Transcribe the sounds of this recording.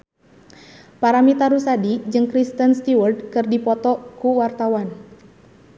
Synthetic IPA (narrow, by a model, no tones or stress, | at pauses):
paɾamit̪aɾusadid͡ʒɨŋkɾist̪ənst̪iwərd̚kɨrdipɔt̪ɔkuwart̪awan